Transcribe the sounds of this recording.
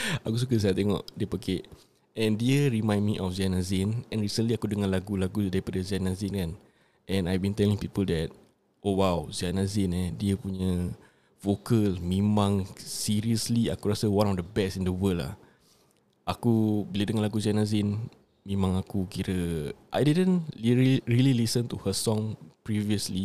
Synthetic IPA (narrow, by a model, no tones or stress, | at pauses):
akus̬uk̬əs̬ajaʔt̪eŋɔ̰ʔdiəpəɡeʔ | ɛ̃ndiəɾimãj̃nmiʔɔfzianazɪnɛ̃nɾisənliakudəŋalaɡulaɡudaɾipadazianazɪnkan | ʔɛ̃najbĩnt̪ɛlɪŋpipəldɛt̚ | ʔowawzianazɪnɛdiəpuɲə | fokəlmẽmãŋsiɾiəsliakuɾasəwãnɔfdəbɛsĩndəwəla̰h | ʔakubilədəŋanlaɡuzianazɪn | mẽmãŋakukiɾəʔa̰jdidə̃niɹililisə̃nt̪uhəsɔ̃ŋpɹiviəsli